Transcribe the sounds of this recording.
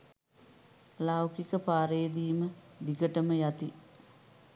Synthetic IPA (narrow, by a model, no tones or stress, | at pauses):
lawkikəpaːɾejəd̪iːməd̪ikəʈəməjat̪i